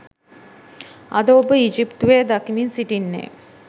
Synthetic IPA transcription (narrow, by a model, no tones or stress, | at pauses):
ɐd̪əobəid͡ʒipt̪uʋeːd̪akiminsiʈinːḛ